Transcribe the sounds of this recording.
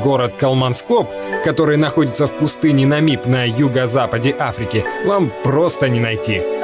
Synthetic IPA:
ɡo̞ɾət̪kɐlˠmɐnskop | kɐt̪o̞ɾɨjnɐxo̞dʲɪt̪səfpʊst̪ɨnʲɪnɐmʲipnɐjuɡəzapədʲɪʔafɾʲɪkʲɪnampɾo̞st̪ənʲɪnɐjtʲi

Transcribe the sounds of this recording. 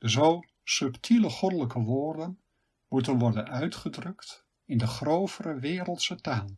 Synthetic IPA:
dəzow | sɵptʰiləχɔdələkəʋʊːrdən | mutənʋɔrdənœɥtχədrɵkt | ɪndəχrowvərəʋɪːɾəlˠtsətaːlˠ

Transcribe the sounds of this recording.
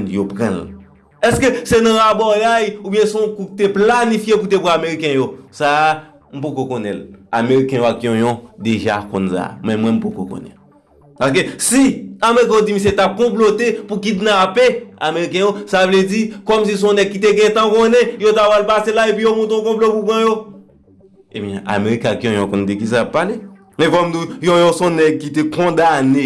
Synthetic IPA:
njopʁɛ̰̃l | ɛskøsenɐ̃abɔɡajubjɛ̃sɔ̃kukit̪eplanifjeput̪epuameʁikɛ̃josa | m̩pokokonɛ̰la̰meɣikɛ̃joakjɔ̃jɔ̃d̪eʒa̰kõ̰nsa̰mɛ̃mwɛ̃m̩poko̰kõ̰nɛ̰ | pakesiameɣik̬ɛ̃õd͡zimĩs̬et̪ap̚kɔ̃p̬lot̪epukit̪nãpeameʁikɛ̃josavled͡zikɔms̬is̬ɔ̃nɛɡ̚kːit̪eɡɛ̃t̪ãkonɛ̃jot̪avwalpaselaepijomɔ̃t̪õkɔ̃plopupãjo | ebjɛ̃ʔa̰meɣikakjɔ̃jɔ̃kɔ̃nd̪ikis̬aapːale | mɛ̃fɔmd̪ujõjɔ̃sɔ̃nɛɡ̚kit̪ekɔ̃d̪ane

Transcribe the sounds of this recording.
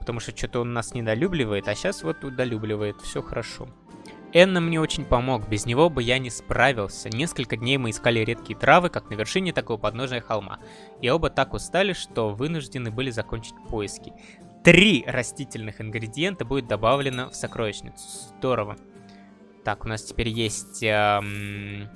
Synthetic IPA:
pət̪ɐmuʂt̪ot͡ɕot̪əonːasnʲɪd̪ɐlʲublʲɪvəjɪt̪ɐɕasvo̞t̪ʊd̪ɐlʲublʲɪvəjɪt̪fsʲo̞xəɾʔɐʂo̞̰ | ɛnːamːnʲeo̞t͡ɕɪnʲpɐmo̞kbʲɪznʲɪvo̞bɨjanʲɪspɾavʲɪlˠsʲənʲe̞skəlʲkədʲnʲejmɨɪskalʲɪɾʲe̞t̪kʲɪjət̪ɾavɨkaknəvʲɪrʂɨnʲɪt̪ɐkovəpɐd̪no̞ʐnəjəxɐlˠma̰ | io̞bət̪akʊst̪alʲɪʂt̪o̞vɨnʊʐdʲɪnɨbɨlʲɪzɐko̞nʲt͡ɕɪ̥tʲpo̞jɪskʲɪ̥ | t̪ɾʲiɾɐsʲtʲitʲɪlʲnɨxɨnɡɾʲɪdʲɪje̞nt̪əbudʲɪt̪̚d̪ɐbavlʲɪnəfsɐkɾo̞vʲɪɕnʲɪ̰t̪sʊ̥zzd̪o̞ɾəvə | t̪akʊnastʲɪ̥pʲeɾʲjesʲtʲə

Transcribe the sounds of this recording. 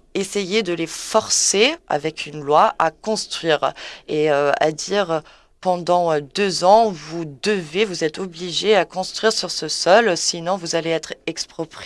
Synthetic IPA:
esejed̪əlefɔʁsea̰vɛkʰynlwaʔakɔ̃st̪χɥiːʁeøa̰d̪iʁø | pɑ̃d̪ɑ̃ød̪øzɑ̃vud̪əvevuzɛt̪ɔbliʒeakɔ̃st̪χɥiʁsyʁsəsɔlsinɔ̃vuzaleɛt̪χɛkspχɔpχi

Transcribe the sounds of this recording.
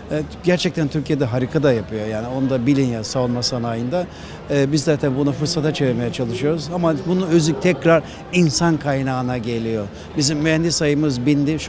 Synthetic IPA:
ɛɟæɾt͡ʃʰɛc̚t̪ʰænt̪ʰyɾcʰijed̪ɛɦaɾikʰad̪ajapʰɯjo̞jaːnio̞nud̪abilʲinjasavulnmasanajɯnd̪aː | bizːaːt̪ʰɛnbunafɯɾsat̪ʰat͡ʃʰeviɾme̞jɛt͡ʃʰalˠɯʃɯjo̞ɾuzamabunuøzyc̚t̪ʰɛcɾaɾ | insankʰajnaːnaɟe̞lʲijo̞ | bizimːyɦɛnd̪isajɯmɯzbind̪iʃ

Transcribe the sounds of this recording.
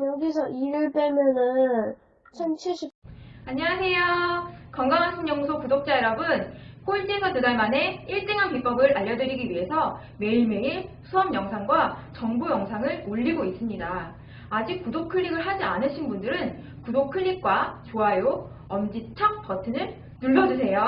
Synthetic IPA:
oɡisʰʌiɾɯɭt͈emjʌnɯnn | t͡ɕʰʌnt͡ɕʰiɭɕ͈ʰipaɲiwasʰe̞jokʌŋɡaŋɦansʰʌŋɲʌŋusʰokudok̚t͡ɕ͈aeɾʌbɯnk͈oit͡ɕ͈isʰʌtudaɭmane̞iɭt͈eŋɦankip͈ʌɡɯɾaʎːʌdɯɾiɡiɥiɦe̞sʰʌ | me̞iɭme̞iɭsʰuʌmjʌŋsʰaŋɡwat͡ɕʌŋbujʌŋsʰaŋɯɭoʎːiɡois͈ɯmɲidaː | d͡ʑik̚k͈ːudok̚ʰɯʎːiɡɯɭɦad͡ʑianɯɕʰinbundɯɾɯn | kudokʰɯʎːik̚k͈wat͡ɕoɦajo | ʌmd͡ʑit͡ɕʰʌk̚p͈ʌtʰɯnɯɭ | nuɭːʌd͡ʑus̬ʰe̞jo

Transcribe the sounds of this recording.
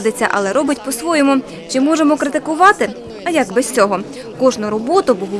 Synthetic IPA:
d̪ɪt͡sʲːɐʔɐ̰lˠɛɾɔbɪtʲpɔsʋɔjɔmʊ | t͡ʃɪmɔʒemɔkɾɪt̪ɪkʊʋɑt̪ɪ | ɐjɐɡbɛsʲt͡sʲɔɦɔ | kɔʒnʊɾɔbɔt̪ʊbʊɦʊ

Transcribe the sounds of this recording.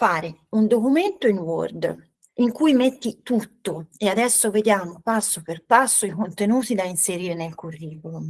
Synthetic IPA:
faːɾɪund̪okument̪oinwɔ̰rd̪ | iŋkujmet̪ːit̪ut̪ːoead̪ɛsːʊved̪jaːmʊpasːoperpasːoikont̪enuːt̪id̪ainseɾiːɾenelkurːiːkolum

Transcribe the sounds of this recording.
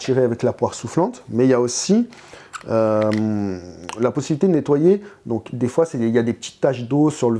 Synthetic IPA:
t̪iʁeavɛklapwaʁsuflɑ̃t̪mɛiljaosi | øm | lapɔsibilit̪ed̪ənet̪wajed̪ɔ̃kd̪efwasɛiljad̪epə̥t̪i̥t̪ːaʃd̪osyʁlə

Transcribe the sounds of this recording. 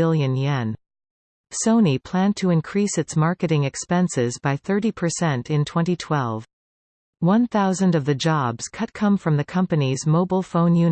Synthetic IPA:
ɪlˠjɨ̃njɛ̃n | sõʊ̃nipʰl̥æ̃ntʰɨɨ̃nkʰɹ̥isɨtsmɑɹkɨɾɪ̃ŋɨkspɛ̃nsɪzbaɪθɜ˞ɾipʰə˞sɛ̃ntɨ̃ntʰw̥ɛ̃ñtitʰw̥ɛlˠv̥ | wʌ̃nθaʊzɨ̃ndʌvðɨd͡ʒɑbz̥kʰʌt̚kʰʌ̃ɱfɹʌ̃mðɨkʰʌ̃mpɨnizmoʊbl̩ˠfõʊ̃njʉn

